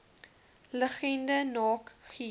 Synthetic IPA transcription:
ləχɛndənɑːkχi

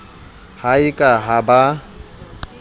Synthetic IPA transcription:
haikʼaɦaba

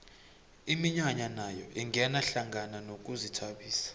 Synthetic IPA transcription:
imiɲwaɲanajɔʔiŋɛnaɬaŋɡananok̬ʼuzitʰaɓiːsḁ

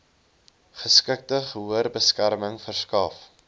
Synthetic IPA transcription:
χəskək̚təχəɦuərbəskærməŋfərskɑf

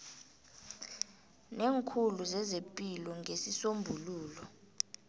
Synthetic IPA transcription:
neːŋkʰuluzɛzepʼilɔŋʱesisombʱuluːlɔ

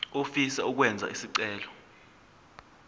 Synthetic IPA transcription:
ofisɛuk̬wɛnd͡zʱa̰isiǀɛːlɔ

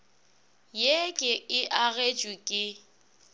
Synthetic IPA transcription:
jekʼɪɪʔaɣet͡ʃʼwikʼɪ

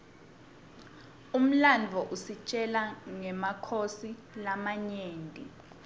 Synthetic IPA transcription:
um̩land͡vʱɔʔusit͡ʃʼɛlaŋɛmakʰosi | lamaɲeːntʼi

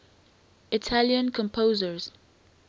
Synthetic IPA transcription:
itʰaljə̃nkʰɔ̃mpʰozəɹz̥

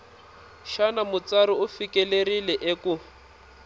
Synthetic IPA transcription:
ʃanamʊt͡saɾiʊfikɛlerilɛʔeku

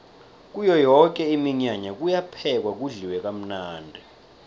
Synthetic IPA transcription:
k̬ʼujɔjɔk̬ʼɛimiɲaɲak̬ʼujapʰɛk̬wak̬uɮiwɛk̬am̩naːndʱɛ

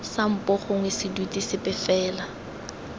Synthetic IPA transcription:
sam̩pʼɔχʊŋwesɪdwitʼisɪpʼɪfɛːla

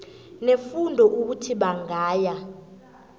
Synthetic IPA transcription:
nefundʱɔʔuk̬utʰiɓaŋaːja

